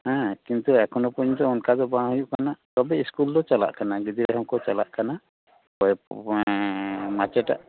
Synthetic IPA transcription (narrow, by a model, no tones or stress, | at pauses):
hãkint̪uɛkɔnɔpɔɲd̪ɔɔnkad̪ɔbãɦujuʔkanat̪ɔbɛiskuld̪ɔt͡ʃala̰ʔkanaɡid̪iɾɛɦhɔmkɔt͡ʃala̰ʔkana | pɔ | mat͡ʃɛʈa̰ʔ